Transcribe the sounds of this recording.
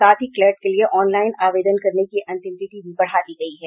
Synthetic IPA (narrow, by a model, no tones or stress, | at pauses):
aːt̪ʰɦiklɛːɾʈkelieʔɔːnlaːɪnaːʋeːd̪ənkɐɾnekiʔɐ̃nt̪ɪ̃msɪʈibʱibɐɽ̤aːd̪iɡɐiɦɛː